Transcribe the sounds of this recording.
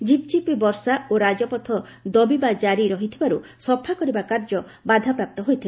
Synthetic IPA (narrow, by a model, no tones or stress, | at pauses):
d͡ʒip̚t͡ʃipibɔɾsaoɾad͡ʒɔpɔt̪ʰɔ | d̪ɔbibad͡ʒaɾiɾɔɦit̪ʰibaɾusɔpʰakɔɾibakaɾd͡ʒɔ | bad̪ʱapɾap̚t̪ɔɦojt̪ʰibe